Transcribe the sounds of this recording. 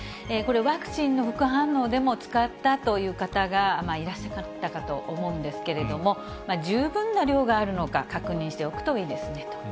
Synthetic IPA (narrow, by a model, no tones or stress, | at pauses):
eko̞ɾe̞βakɯ̟̥t͡ɕĩnːo̞ɸɯ̟kɯ̟ɦãnːo̞ːd̪e̞mo̞t͡sɨ̥kat̪ːat̪o̞jɯ̟ːkat̪aɡamaiɾaɕːakat̪ːakat̪o̞̰ʔomo̞ɯ̃nd̪e̞sɨ̥ke̞ɾe̞d̪o̞mo̞ | maʑɨːbɯ̟̃nːaɾʲjo̞ːɡaːɾɯ̟no̞ka̰kakɯ̟ɲ̟ĩɕi̥t̪e̞o̞kɯ̟̥t̪o̞iːd̪e̞sɨne̞t̪o